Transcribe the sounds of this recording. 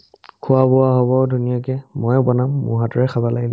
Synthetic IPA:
kʰʊwabʊwaɦɔbɔdʱunijakɛmɔjbɔnamːṵɦatɔɹɛxʰabalaɡidɛ

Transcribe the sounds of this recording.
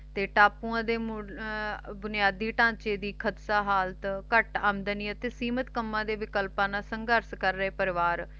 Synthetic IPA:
t̪eːʈaːpuːãːd̪eːm | bʊnɪjaːd̪iːʈãːt͡ʃeːd̪iːkʰəd̪saːɦaːlt̪kəʈaːmd̪əniːət̪eːsiːmət̪kəmːãːd̪eːʋɪkəlpãːnaːsəŋɡəɾskəɾːəeːpəɾɪʋaːɾ

